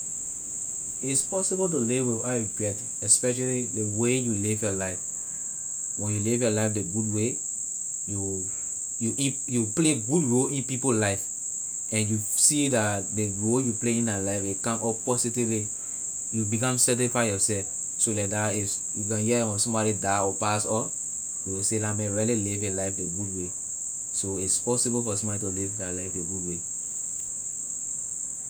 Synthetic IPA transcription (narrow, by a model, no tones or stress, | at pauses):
itspɔsiboltulivwivɔɡɹɛt | ɛspɛʃalidewejulivjɔlaɪf | wɛ̃njulivjɔlaɪfdeɡud̚we | ju | juʔi | jupleɡudɹolĩnpipollaɪf | ɛ̃njusidatdeɹoljupleĩnalaɪfekãmɔpɔsitivli | jubiɡãmsɛtifaɪjɔsɛlf | solɛk̚dais | juɡɔ̃nhiɛɛ̃mɔ̃sɔ̃mbɔɾidaɔpasɔ | juwiselamɛ̃ɹililivẽlaɪfdeɡudwe | soitspɔsibofɔsɔ̃mbɔditulivdalaɪfdeɡudwe